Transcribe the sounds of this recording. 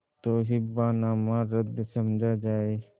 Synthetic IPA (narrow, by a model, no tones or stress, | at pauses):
t̪oːɦibaːnãːmãɾəd̪səmd͡ʒʱad͡ʒaːe